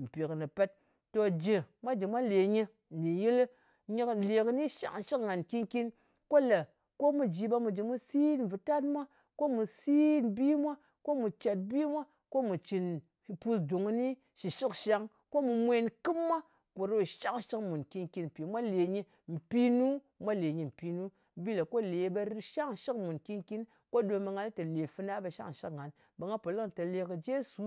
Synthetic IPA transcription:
m̩˨pi˨knɨ˨pe˦t̚ | to˨d͡ʒe˨mʷa˦d͡ʒi˨mʷa˦le˨ɲi˧˨ | i˨ji˦l | ɲi˦kle˨kɨ˦ni˦ʃa̰˦kʃi˦kŋa˨nki˦nki˦n | ko˦lə˨ | ko˦mu˨d͡ʒi˨ɓa˧mu˨d͡ʒi˨mu˦si˦n˨vɨ˨ta˦tmʷa˦ | ko˦mu˨si˦nbi˦mʷa˦ | ko˦mu˨t͡ʃa˨t̚bi˦mʷa˦ | ko˦mu˨t͡ʃi˨n˨ | pu˧sdu˨ŋ˦ni˦ | ʃi˨ʃi˦kʃa˦ŋ | ko˦mu˨mʷe˦nkɨ˦mːa˦ | ko˨ɾo˦˨ʃa˦ŋʃi˦kmu˨nki˦nki˦nm̩˨pi˨mʷa˦le˨ɲi˧ | m̩˨pi˦nu˦ | mʷa˦le˨ɲi˨m̩˨pi˨nu˦ | bi˦la˨ko˦le˨˦ba˦ɾʃa˦ŋʃi˦kmu˨nki˦nki˦n | ko˦do˨ba˨ŋɡa˨n˦tə˨le˨fɨ˧˦na˦ba˨ʃa̰˦ŋ˨ʃi˦kŋa˨˦n | ba˨ŋɡa˦po˨li˦ŋ˨ta˨le˨kə˨d͡ʒe˦su˨˦

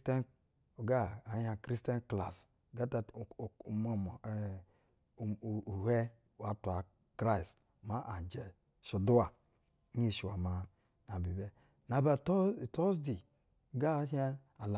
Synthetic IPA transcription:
tn | o˨ɡa˦a˨˦ha˨kɾi˦ste˦nkla˨s | ɡa˦ta˨ma˦˨m˨ | u˨he˦ | wa˨tu˨a˨ | kɾa˦i˨s | ma˦ʔa˨d͡ʒɛ˨ | ʃu˨du˦a˨˦ | ɲi˦˨ʃi˨wa˨ma˨ | na˨bi˨be˦ | na˨ba˨tto˦sdi˨ | ɡa˦a˦a˨la˨

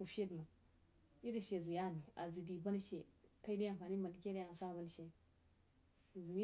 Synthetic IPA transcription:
u˨fe˦dma˨ | i˦ɾi˨ʃe˨zu˨ja˦˨ni˨a̰˨zi˨di˨ba˦n˦ʃe˨ta˦i˦di˦ja˦˨ŋfa˨ni˦ma˨n˨ke˦ɾja˨ŋ˨sa˦˨ba˦n˨ʃe˨ | zu˨˦

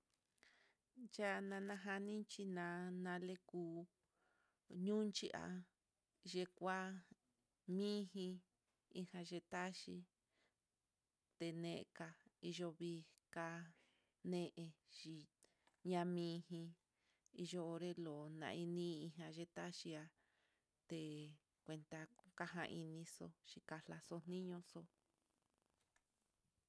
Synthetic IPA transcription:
t͡ʃa˦nã˧nã˧ɦa˧nĩ˦t͡ʃi˧nã˨˧nã˧le˦kuː˧ | ɲũ˦nt͡ʃi˦ʔa̰˧ | ʒe˧kʷa˦ | mĩ˦ɦĩ˧ | i˧hã˧ʒe˧t̪a˦ʃi˧ | t̪e˧nẽ˧˨ʔka˧i˧ʒo˧βi˧ka˧ | nẽ˦˧ʔe˧ʃi˧ | ɲã˧mĩː˦ɦĩ˧ | i˧ʒo˦o˧ɾe˦lo˨nã̰˧ĩ˧nĩ˦˧i˧ɦã˧ʒe˧t̪a˦ʃi˧a˧ | t̪e˧˨ | kʷe˧nt̪a˧ka˦ɦã̰˧ʔi˧nĩ˧so˧ʃi˧ka˧la˧so˧n̥nĩ˦ɲõ˧so˧

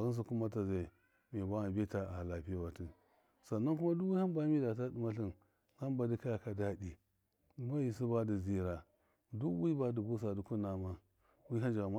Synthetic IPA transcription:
a˨ɣu˦ns̬u˨ku˦ma˦ta˨za˨ | me˨ba˦wa˨be˦ta˨˦a˨a˨la˨pi˦ja˦wa˨ti˦n | sa˨nːa˦ku˦ma˦du˦wi˦ha˦nba˦mi˦da˨t̬a˦di˨ma˦ɬi˦˨n | ha˦nba˨di˦ka˦ja˨ka˨da˦di˨ | ma˦ji˨s̬i˦ba˦di˨zi˦ɾa˨ | du˦wi˦ba˦du˨bu˦s̬a˨du˨ku˦na˨ma˦ | wi˦ɦa˦nd͡ʒa˨ma˦

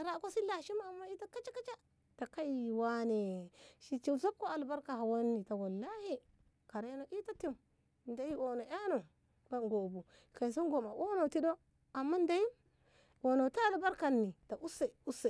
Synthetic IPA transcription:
a˨ɾa˦ko˦si˦la˨ʃi˦ma˨mːa˦i˦ta˦ka˦t͡ʃa˦ka˦t͡ʃa˦ | ta˨ka˦jwa˦ne˨ʃi˨t͡ʃi˨lso˦b̚ko˦a˨lba˦ɾka˨ɦa˨wa˦nːi˨ta˨wa˨lːa˦hi˦ | ka˨ɾe˦no˨ʔi˦ta˦ti˦m˨ | nda˨˦ji˦wo˨no˨ʔa˦no˨ | ba˦nɡo˨bu˨ | ka˨i˨s̬i˦nɡo˨ma˨ʔo˦no˨ti˦do˦ | a˨mːa˦n˦da˨˦ji˦m | wo˨no˨ta˦a˨lba˦ɾka˨nːi˨ta˨ʔu˦sa˨u˦sa˨

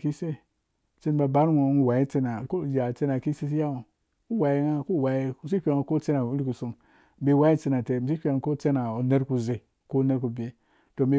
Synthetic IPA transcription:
ki˦se˦˨ | t͡se˦n˦ba˨ba˦ɾŋo˨˦n˦wa˨i˦t͡se˦na˨ko˦˨d͡ʒa˨t͡se˦na˨ki˦se˦s̬i˦ja˦u˨ | u˦wa˨ji˦ŋa˦ku˦˨wa˨i˦m̩˨si˦pʲe˨ŋ˨ko˦t͡se˦na˨u˦li˦ku˨su˨ŋ | m̩˦be˦˨wa˦i˦t͡se˧na˨te˨m̩˨s̬i˦ɸʲe˨ŋ˨ko˦t͡se˦na˨o˨ne˦ɾku˨ze˨ | ko˦ne˦ɾku˨bʲe˨ | to˨m˦be˨

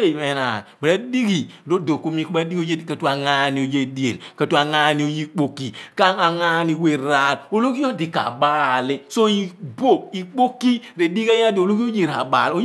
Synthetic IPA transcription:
e˦i˨me˦na̰˨bɾa˦di˦ɡi˨ɾo˦do˨ku˦mi˦ka˦di˦ɡi˦o˦je˦˨ka˨tu˦a˨ŋa˦ni˨o˨je˦di˦ḛ˨lka˦tu˦a˨ŋa˦ni˨˦o˨ji˦k͡po˦ki˨ka˦a˨ŋa˦ni˨˦we˨ɾa˦˨lo˨lo˦ki˦o˦di˨ka̰˨baː˦li˦so˦i˨bo˦˨b̚i˨k͡po˦kːi˦ɾe˨di˦ka˦ja˦do˨lo˦ki˦o˦je˦˨ɾa̰˨ba̰˨lo˦

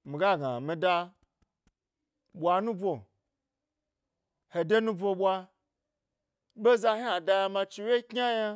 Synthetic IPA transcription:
mi˨ɡa˦˨ɡa̰˨mi˧da˧ | ɓʷa˧nũ˦bʷo˨ | he˨de˦nũ˦bʷo˧ɓʷa˧ | ɓe˦za˧ha˨da˧ja˧mã˧t͡ʃi˧we˦kɲʲa˦ja˦

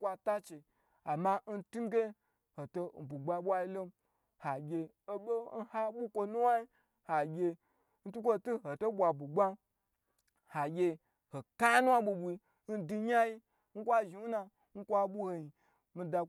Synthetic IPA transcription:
kʷa˧ta˦t͡ʃe˨ | a˨ma˧n̩˦tu˦ɡe˦ | ho˨to˧˨bu˨ɡ͡ba˧˦ɓʷa˦i˦lo˦ | ha˨ɡʲe˧ | o˦ɓo˦n̩˦ha˦ɓu˦kʷo˧nu˦wa˦i˦ | ha˨ɡʲe˧ | n̩˦tu˦kʷo˦tu˦ho˨to˦ɓʷa˨bu˨ɡ͡ba˦ | ha˨ɡʲe˧ | ho˨ka˦nu˦wa˦ɓu˧ɓu˧i˧ | n̩˦di˧ɲa˦ji˦ | ŋ̩˦kʷa˦ʒi˨u˦na˧ | ŋ̩˦kʷa˦ɓu˦ho˧ɲi˨ | mi˧da˧

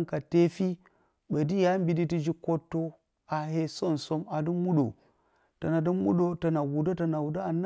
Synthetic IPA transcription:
ka˨te˦fi˦ | be˨di˦ja˦mbi˨di˦ti˦d͡ʒi˦ko˦tːo˦ | a˨ɦe˦so˦nso˦ma˨di˦mu˦ɗo̰˨ | ta˨na˨di˦mu˦ɗo˦ta˨na˨wu˨do˦ta˨na˨wu˨da˦a˨n˦

